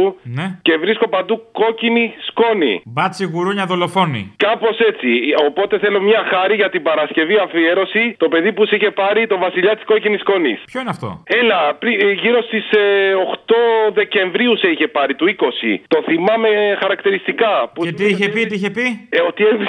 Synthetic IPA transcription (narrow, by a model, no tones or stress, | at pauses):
unece̞vɾisko̞pɐd̪uko̞cinisko̞nḭbɐt̪siɣuɾuɲɐðo̞lo̞fo̞nḭkɐpo̞se̞t͡sio̞po̞t̪e̞θe̞lo̞mɲɐxɐɾiʝɐt̪ibɐɾɐsce̞viɐɱfie̞ɾo̞sit̪o̞pe̞ðipusiçe̞pɐɾit̪o̞vɐsiʎɐt̪i̥sko̞cinisko̞nḭspço̞ineɐft̪o̞̰e̞lɐpɾiʝiɾo̞st̪isoxt̪o̞ðe̞ce̞ɱvɾiuseiçe̞pɐɾit̪uiko̞sḭt̪o̞θimɐme̞xɐɾɐkt̪iɾist̪ikɐpuet̪iiçepit̪iiçepiot̪iev